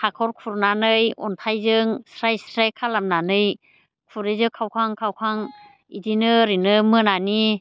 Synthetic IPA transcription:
hʰakʰɔɾkʰuɾnanɯjɔ̰ntʰajzɯŋsɾajsɾajkʰalamnanɯj | kʰuɾizɯkʰawkʰaŋkʰawkʰaŋ | idinɯɾinɯmɯnani

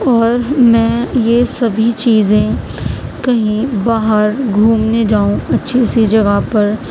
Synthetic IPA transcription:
ɔːɾmɛ̃ːjesɐbʱit͡ʃiːzẽ | kɐɦĩbaːɦəɾɡʱuːmned͡ʒaːũɐtːʃʰisid͡ʒɐɡəpɐɾ

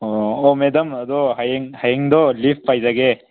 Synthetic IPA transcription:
ɔmed̪ɐmɐd̪ɔɦajeŋhajeŋd̪ɔlip̚ʰpajzaɡe

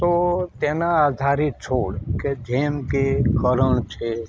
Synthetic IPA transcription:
t̪ot̪eːnaad̪ʱaːɾit̪̚t͡ʃʰoːɽked͡ʒʱeːmkekəɾəɳ̃t͡ʃʰe

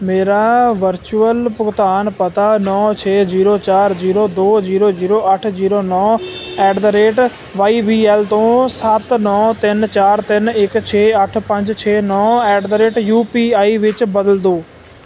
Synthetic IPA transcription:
meːɾaːʋəɾt͡ʃuəlpʊɡt̪aːnpət̪anɔːt͡ʃʰeːziːɾoːt͡ʃaːɾziːɾoːd̪oːziːɾoːziːɾoːəʈʰziːɾoːnɔːɛːɖd̪əɾeːʈ | ʋaːiːʋiːɛːlt̪õːsat̪nɔːt̪ɪnt͡ʃaːɾt̪ɪnɪkt͡ʃʰeːəʈʰpə̃ɲd͡ʒt͡ʃʰeːnɔːɛːɖd̪əɾeːʈjuːpiːaːiʋɪt͡ʃbəd̪əld̪oː

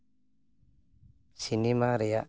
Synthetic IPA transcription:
sinimaɾɛjaʔ

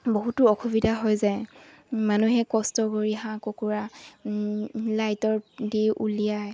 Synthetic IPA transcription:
boɦutʊɔxʰubidʱaɦɔjzɛ | manuɦɛkɔstɔɡoɹiɦãkokuɹa | lajtɔɹdiʔṵlijaj

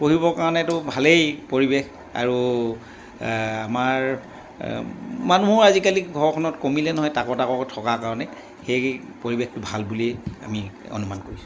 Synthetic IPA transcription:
poɦibɔkaɹɔnɛtʊbʱalejpoɹibex | a̰ɹu | amaɹ | manuɦɔɹazikaliɡʱɔɹɔkʰɔnɔtkomilɛnɔɦɔjtakɔtakɔktʰɔkakaɹɔnɛ | xej | poɹibextʊbʱalbulia̰mi | o̰numankoɹisu̥

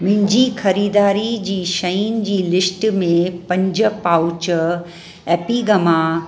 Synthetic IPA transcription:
mɪ̃ɦɲd͡ʑixɐɾiːd̪aːɾid͡ʑiːʃɐind͡ʑiːlɪsʈmẽpɐ̃ɲd͡ʑʊ̆paːʊt͡ɕ | ɛːpiɡɐma

